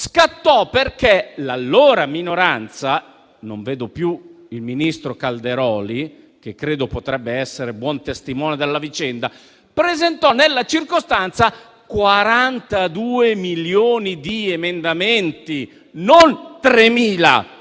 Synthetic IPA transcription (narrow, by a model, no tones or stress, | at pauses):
skat̪ːɔperk̟elalːoːɾaminoɾant̪sa | noɱveːd̪opju | ilminist̪ɾokald̪eɾɔːli | k̟ekːɾeːd̪opot̪ɾɛbːeɛsːeɾebwɔnt̪est̪imɔːnjod̪elːavit͡ʃɛnd̪a | pɾezent̪ɔnelːat͡ʃirkost̪ant̪sa | kwaɾant̪ad̪uːemiljoːnid̪iemend̪ament̪i | nont̪ɾemiːla̰